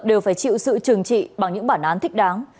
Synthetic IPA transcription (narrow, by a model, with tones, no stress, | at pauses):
ɗe˨˩wfaː˧˩jt͡ɕḭ˧˨wsɨ̰˧˨t͡ɕɨ˨˩əŋt͡ɕḭ˧˨ɓa˨˩ŋɲɨ̰˧˥ŋɓaː˧˩nʔaː˨˦nt̪ʰï˦˥k̟̚ɗaː˨˦ŋ